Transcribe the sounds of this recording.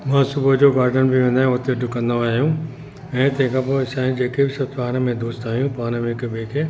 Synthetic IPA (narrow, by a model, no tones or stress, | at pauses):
mãːsʊbəd͡ʑoːɡaːɾɖənbiʋẽːnd̪ãːʊt̪eɖʊkə̃nd̪oaːɦijũ | ɛ̃ːt̪ɐ̃ːkʰapoɪsãːĩd͡ʑeːkebɪsɐbt̪paːnəmẽd̪uːst̪aːɦijũpaːnəmẽkebeːke